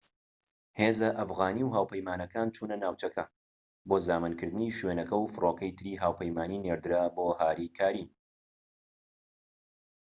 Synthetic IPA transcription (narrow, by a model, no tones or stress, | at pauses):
heːzɐʔɐfɣaːniwɦaːwpʰɐjmaːnɐkaːnt͡ʃʰuːnɐnaːwt͡ʃɐkʰɐ | boːzaːmɨnkɨɾd̪ɨniːʃwenɐkɐwfɨrʔoːkɐjt̪ʰɨɾiːɦaːwpʰɐjmaːnineɾd̪ɨɾaːboːhaːɾikʰaːɾin